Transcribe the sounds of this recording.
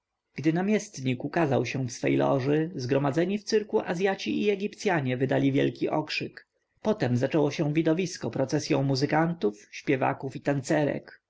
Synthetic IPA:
ɡ̥d̪ɘnamʲjɛst̪ɲikukazawɕɛ̃fsfɛ̰jlɔ̰ʐɘzɡɾɔmad̪zɛɲift̪sɘɾkuʔazʲjat͡ɕiʔiɛɡʲipt̪sʲjaɲɛvɘd̪alʲivʲjɛ̰lkʲiʔɔkʂɘk | pɔt̪ɛmzat͡ʂɛwɔɕɛ̃vʲid̪ɔvʲiskɔpɾɔt̪sɛsʲjɔ̃w̃muzɘkant̪ufɕpʲjɛva̰kufit̪ant̪sɛɾɛ̰k

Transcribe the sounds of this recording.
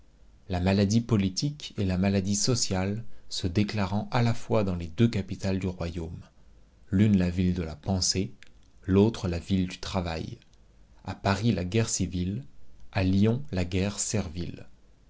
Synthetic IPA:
lamalad̪ipɔlit̪ʰikelamalad̪isɔsjalsəd̪eklaʁɑ̃ʔalafwad̪ɑ̃led̪økapit̪ald̪yʁwajom | lynlavild̪əlapɑ̃se | lot̪χəlavild̪yt̪χava̰j | a̰paʁilaɡʲɛʁsivilaljɔ̃laɡʲɛʁsɛʁvil

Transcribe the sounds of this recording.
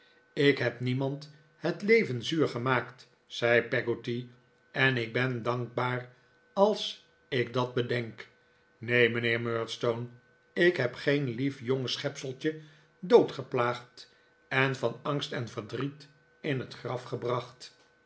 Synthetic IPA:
ɪkɦɛpnimɑnt | hətlejvənzyːɹχəmaːkt | sɛjpɛɡoti | ɛnɪɡ̚bɛndɑŋɡ̚baːr | ɑlˠs | ɪk̚dɑd̚bədɛŋk | nejmənɪːɹmøːɹtstown | ɪkɦɛpχenlifjoŋsχɛpsəlˠt͡ʃə | dowtχəplaːχt | ɛnvɑnɑŋstɛnvəɹdrit | ɪnɦətχrɑfχəbrɑχt

